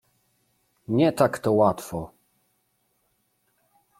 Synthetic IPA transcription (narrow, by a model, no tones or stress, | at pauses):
ɲɛt̪akt̪ɔwat̪fɔ